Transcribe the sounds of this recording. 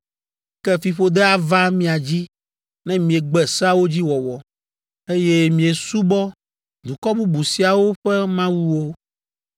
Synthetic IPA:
kɛ˦fi˨ɸo˦d̪ɛ˦a˦va˦mĩ˦a˨d͡ʑi˦ | nɛ̃˦mĩ˨e˨ɡ͡bɛ˨sa˦wo˦d͡ʑi˦wɔ˨wɔ˨ | e˦jɛ˦mĩ˨e˨su˦bɔ˦ | d̪u˨kɔ˦bu˦bu˨si˨a˨wo˦ɸɛ˦mã˦wu˦wo˦

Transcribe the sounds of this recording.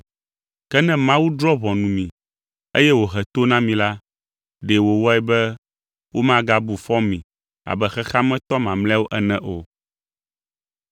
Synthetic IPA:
kɛ˦nɛ̃˦mã˦wu˦d̪ɾɔ˦βɔ̃˨nũ˨mĩ˨ | e˦jɛ˦wo˨ɦɛ˨t̪o˦nã˦mĩ˨la˦ | ɖe˨wo˨wɔ˦ɛ˨bɛ˦ | wʔo˦mã˦ɡa˦bu˨fɔ˦mĩ˨ | a̰˨bɛ˦xɛ˦xa˦mɛ̃˦t̪ɔ˦mã˨mlɛ̃˦wo˦ʔɛ˦nɛ̃˦ʔo˨

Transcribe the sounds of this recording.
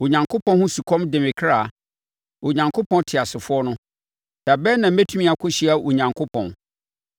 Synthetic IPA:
o˨ɲã˨ŋkʰo˦pʰɔ̃˦nhʊ̃˦su˨kʰɔ̃˦mdɪ˨mɪ̃˨kʰɾa˦˨ | wo˨ɲã˨ŋkʰo˦pʰɔ̃˦ntʰɪ˨a˨sɪ˨fʊ˦ɔ˦nʊ̃˦ | d̥a˨bɛ˦nã˨m̩˦mɛ˦tʰũ˦mĩ˦a˨kʰʊ˦ɕi˦a˨ʔo˨ɲã˨ŋkʰo˦pʰɔ̃˨n

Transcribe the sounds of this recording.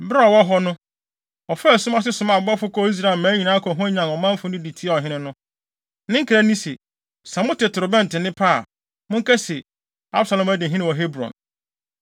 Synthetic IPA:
bɾa˦ɔ˨wɔ˦ɦɔ˦nʊ̃˦ | ɔ˨fsʊ˦mã˦s̬ɪ˦sʊ˨˦mã˨bɔ˦fʊ˦kʰɔ˦i˦s̬ɾa˨lmãː˨˦ɲi˨nã˦kʰɔ˨ɦʊ̃˦ɲã˨nɔ˨mã˦m̩˦fʊ˦nɪ̃˦di˨tʰi˦a˦˨ɔ˨ɦɪ̃˦nɪ̃˦nʊ̃˦ | nɪ̃˦ŋ̩˦kʰɾæ˦nĩ˦se˨ | sã˨mʊ̃˦tɪ˨tʰɾʊ˨bɛ̃˦n˨tɪ˨nɪ̃˦pʰa˦˨ | mʊ̃˦ŋ̩˦kæ˦se˨ | a˦bsa˨lɔ̃˨mæ˦dɪ˨ɦɪ̃˦nɪ̃˨wɔ˨ɦe˦bɾɔ̰̃˨n

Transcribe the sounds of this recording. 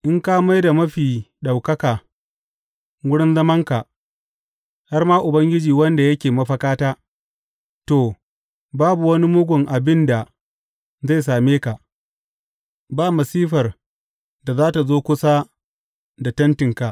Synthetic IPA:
ʔɪ˦ŋka˦ma˦jda˨mɐ˦ɸiː˨ɗa˨wkɐ˦kaː˨ | wʊ˦ɽɪ˦nzɐ˦mɐ˦ŋka˨ʔ | ha˦rmaː˦ʔʊ˨bɐ˦ŋɡʲɪ˦d͡ʒiː˨wɐ˦nda˨jɐ˦kʲeː˨mɐ˦ɸɐ˦kaː˦taː˦ | toː˨ | baː˦bu˨wɐ˦ni˦mʊ˦ɡʷʊ˨ŋʔa˨bɪ˦nda˨ | za˦˨js̬aː˨meː˦ka˨ʔ | baː˦mɐ˨siː˦ɸɐ˨r | da˨zaː˦ta˨zoː˦kʷʊ˦sa˦ | da˨tɐ˦ntɪ˨ŋka˨ʔ

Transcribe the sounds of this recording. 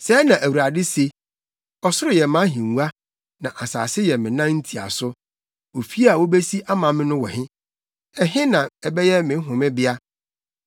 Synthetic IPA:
sɛ˨˦nã˨ʔæ˨wu˨ɾa˨dɪ˦se˨ | ɔ˨sʊ˦ɾɪ˨jɛ˨mã˨˦ɦĩ˨u˨˦a˦ | nã˨ʔa˨sa̰ː˨sɪ˦jɛ˨mɪ̃˨nã˦n̩˦tʰi˨a̰˨sʊ˦ | wo˨fi˦a˨wo˦be˦si˦ʔa˦mã˨mɪ̃˦nʊ̃˦wɔ̰˨hɪ̃˦ | ɛ˨ɦɪ̃˦nã˨ɛ˨bɛ˦jɛ˦mɪ̃˨˦ɦʊ̃˨mɪ̃˦bɪ˦a˦

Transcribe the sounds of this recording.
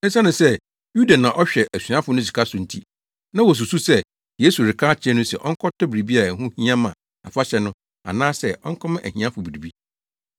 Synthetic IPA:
ɛ˦sa˦nʊ̃˨sɛ˦ | ju˦da˨nã˨ʔɔ˦ɕᶣɛ˨ʔæ˨sɥã˦fʊ˨nʊ̃˦si̥˨kʰa˦sʊ˨n̩˦˨tʰi˦ | nã˦wɔ˨s̬u˨su˦sɛ˦ | jeː˦su˨ɾɪ˨kʰaː˦t͡ɕʰɪ˦ɛ̃˦nʊ̃˦sɛ˨ʔɔ˦ŋ̩˦kʰɔ˦tʰɔ˦bɪ˨ɾi˨bi˦a˨ɾa˨ɦũ˦hĩ˦ã˦mã˨ | a̰˨fa˦ɕɛ˨nʊ̃˦ | a̰˨nãː˦sɛ˦˨ʔɔ˦ŋ̩˦kʰɔ˦mã˦ʔæ̰˨ɦĩ˨ã˦fʊ˨bi˨ɾi˨bi˦

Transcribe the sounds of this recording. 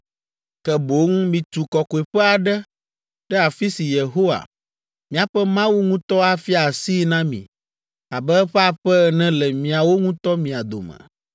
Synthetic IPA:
kɛ˨bo˨˦ŋ˦mĩ˨t̪u˨kɔ˨ko˨ɛ˨ɸɛ˦a˨ɖɛ˦ | ɖɛ˦a˨fi˦si˨je˨ɦo˦wa̰˨ | mĩ˨a˨ɸɛ˦mã˦wu˦ŋũ˦t̪ɔ˦a˦fi˦a˨si˦nã˦mḭ̃˨ | a˨bɛ˦ɸɛ˦a˨ɸɛ˦˨nɛ̃˦lɛ˨mĩ˨a˨wo˦ŋũ˦t̪ɔ˦mĩ˨a˨d̪o̰˨mɛ̰̃˨

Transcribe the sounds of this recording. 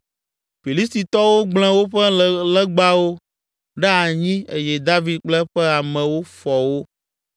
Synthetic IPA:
fi˨li˦st̪i˨t̪ɔ˦wo˦ɡ͡bl̃ɛ̃˦wo˦ɸɛ˦˨lɛ˦ɡ͡ba˦wo˦ | ɖɛ˦a˨ɲĩ˦e˦jɛ˨d̪a˦vi˦d̪̚k͡plɛ˦ɸɛ˦a˨mɛ̃˨wo˦fɔ˨wo˦

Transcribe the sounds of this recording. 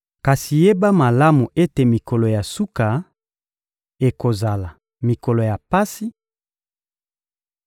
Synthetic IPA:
ka˨si˨je˦ba˦ma˨la˦mu˨ʔe˦te˨mi˨ko˨lo˨ja˨su˦ka˨ | e˨ko˨za˨la˨ | mi˨ko˨lo˨ja˨pa˦si˦

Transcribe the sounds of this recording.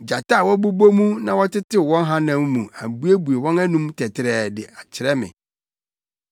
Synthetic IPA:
d͡ʑa˨ta˦˨wɔ˦bu˦bo˦mũ˦nã˨wɔ˦tɪ˦tɪ˦˨wɔ̃˦n˦ɦã˦nã˦mmũ˨a˨bu˦e˦bu˨e˨wɔ̃˦næ˦nũ˦mtʰɛ˨tʰɪ˨ɾɛː˨dɪ˨a˨t͡ɕʰɪ˨ɾɛ˦mɪ̰̃˨

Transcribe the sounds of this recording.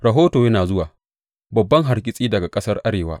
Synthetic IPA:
ɾɐ˨ɦoː˦toː˨jɐ˦naː˨zʊ˦waː˨ | bɐ˨bːɐ˦ŋɦa˨ɽkʲʼɪ˦sʼiː˦dɐ˨ɡa˨kʼɐ˦sɐ˦rʔa˦ɽeː˨wa̰ː˦

